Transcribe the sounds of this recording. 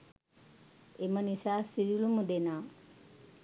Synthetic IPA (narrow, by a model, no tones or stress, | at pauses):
emənisaːsiɾulumud̪enaː